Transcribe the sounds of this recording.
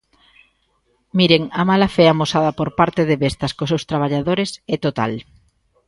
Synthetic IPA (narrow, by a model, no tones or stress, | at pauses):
miɾeŋamalafeamosaðɐpoɾpaɾt̪eðeβest̪ɐskosewst̪ɾaβ̞aʎaðoɾesɛt̪ot̪a̰l